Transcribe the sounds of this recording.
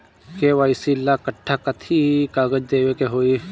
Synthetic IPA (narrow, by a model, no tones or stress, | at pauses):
keʋaːisilːakəʈʰːaːkət̪ʰikaːɡəd͡ʒd̪eːʋekeɦoːi